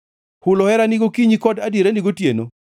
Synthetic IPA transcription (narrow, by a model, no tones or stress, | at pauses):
hʊlohɛɾanɪɡokiɲikɔdadiɾeniɡotjeno̰